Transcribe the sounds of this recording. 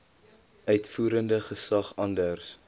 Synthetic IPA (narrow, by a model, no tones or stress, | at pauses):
ʔœɥtfuːɾəndəχəsɐχɐndərs